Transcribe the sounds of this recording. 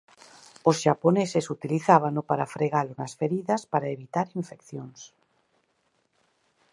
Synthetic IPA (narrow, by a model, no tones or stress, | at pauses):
osʃaponesesut̪iliθaβ̞anopaɾafɾeɣalonasfeɾiðaspaɾaeβit̪aɾiɱfekθjons